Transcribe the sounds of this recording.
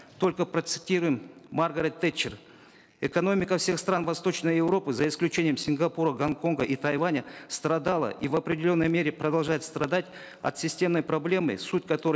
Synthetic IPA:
t̪o̞lʲkəpɾət̪sɨ̥tʲiɾʊjɪmːarɡəɾʲɪt̪ːet͡ɕːɪr | ɛkɐno̞mʲɪkəfsʲe̞xst̪ranvɐst̪o̞t͡ɕnəjjɪvɾo̞pɨzɐɪsklʲʉt͡ɕenʲɪjəmsʲɪŋɡɐpuɾəɡɐnko̞nɡəʔit̪ɐjvanʲəst̪ɾɐd̪alˠə̰ʔivɐpɾʲɪdʲɪlʲo̞nːəjmʲe̞ɾʲɪpɾɐd̪ɐlˠʐajɪt̪st̪rɐd̪atʲ | ɐ̰t̪sʲɪsʲtʲe̞mnəjpɾɐblʲe̞mɨ̰sutʲkɐt̪o̞ɾɨ

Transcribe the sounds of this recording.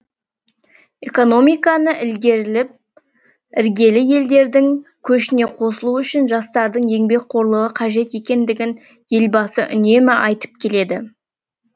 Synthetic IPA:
e̞ko̞no̞mijkɑnəʔɪlɡʲe̞ɾɪlɪp̚ | ɪɾɡʲe̞lɪje̞ld̪e̞ɾd̪ɪŋkʲʰɵʃɪne̞qʰo̞səlˠuʏʃɪnʒɑst̪ɑɾd̪əɴje̞ŋbe̞k̚ʲqʰo̞ɾlˠəʁəqʰɑʒe̞t̪e̞kʲe̞nd̪ɪɡʲɪn | je̞lbɑsəʔʏ̰ne̞mɪʔɑjt̪ə̥p̚kʲʰe̞le̞d̪ɪ

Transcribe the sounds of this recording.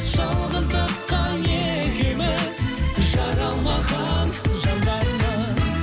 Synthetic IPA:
ʒ̥ɑlˠʁəzd̪əqːɑjekʲemɪzʒɑɾɑlˠmɑʁɑnʒɑnd̪ɑjmə

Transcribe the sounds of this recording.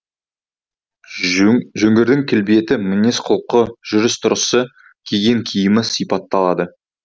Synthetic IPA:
ʒɵŋɡʲe̞ɾd̪ɪŋkʲʰɪlbije̞t̪ɪmɪnesqʰʊlˠqəʒ̥ʏɾɪst̪ʰʊɾəsə | kʲʰeɡʲe̞ŋkʲʰijɪmɪsijpɑt̪ːɑlˠɑd̪ə

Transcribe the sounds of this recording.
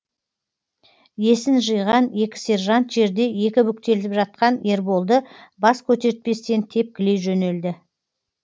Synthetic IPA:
je̞sɪnʒəjʁɑne̞kʲɪ̥se̞rʒant̪ʒe̞ɾd̪e̞je̞kʲɪbʏk̚t̪e̞lɪpʒɑt̪̚qɑne̞ɾbo̞lˠd̪əbɑskʲʰɵt̪e̞ɾɪt̪̚pe̞st̪e̞nt̪ʰe̞p̚kʲɪle̞jʒɵne̞ld̪ɪ

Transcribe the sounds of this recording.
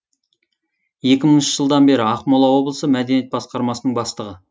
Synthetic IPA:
je̞kʲɪməɴʏʃəʒ̥əlˠd̪ɑnbe̞ɾɪɑqmolˠɑwo̞blˠəsəmæd̪e̞nije̞t̪̚bɑsqɑɾmɑsənəɴbɑst̪əʁə

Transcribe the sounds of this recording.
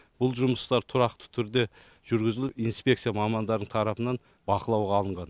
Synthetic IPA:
b̥ʊlˠʒʊməst̪ɑɾt̪ʰʊɾɑqt̪ə̥t̪ʰʏɾd̪e̞ | ʒ̥ʏɾɡʲɪzɪlɪinspʲe̞kt̪sijaɑmɑmɑnd̪ɑɾd̪əɴt̪ʰɑɾɑpənɑn | bɑqəlˠɑwʁɑːlˠəɴʁɑn

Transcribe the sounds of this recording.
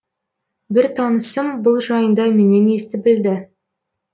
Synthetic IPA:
bɪɾt̪ʰɑnəsəmbʊlˠʒɑjənd̪ɑme̞ne̞ne̞st̪ɪbɪld̪ɪ

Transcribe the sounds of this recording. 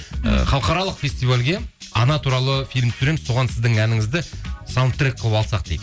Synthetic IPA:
ə̰χɑlˠqɑɾɑlˠəqfʲe̞st̪ijvalʲɡʲe̞ɑnɑt̪ʰuɾɑlˠəfʲilʲmt̪ʰɪsʉɾe̞mɪzso̞ʁɑnsɪzd̪ɪŋænɪŋɪzd̪ɪsant̪rik̚qʰːəlˠəpɑlˠsɑqd̪ejd̪

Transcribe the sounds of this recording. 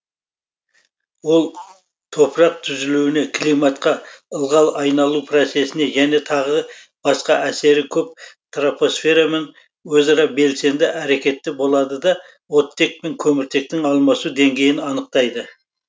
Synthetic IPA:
wo̞lˠ | t̪ʰo̞pəɾɑq̚t̪ʰʏzɪluwɪne̞kʰlˠijmɑt̪qɑəlˠʁɑlˠɑjnɑlˠupʰro̞t̪se̞sɪne̞ʒæne̞t̪ʰɑʁə | b̥ɑsqɑʔæse̞ɾɪkʲʰɵp̚t̪rapo̞sfʲe̞ɾamen | wɵzɑɾɑbe̞lse̞nd̪ɪʔæɾe̞kʲe̞t̪ːɪbo̞lˠɑd̪əd̪ɑ | wo̞t̪ːe̞k̚pe̞ŋkʲʰɵmɪɾt̪ʰe̞k̚t̪ɪŋɑlˠmɑsud̪e̞ŋɡʲe̞jɪnɑnəq̚t̪ɑjd̪ə

